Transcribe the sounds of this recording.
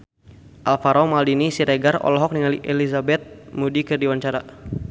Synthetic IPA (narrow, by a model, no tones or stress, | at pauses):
ʔalfaɾɔmaldinisiɾeɡarɔ̰lɔɦɔk̚niŋaliʔɛlizabɛt̪̚mudikɨrdiwaɲt͡ʃaɾa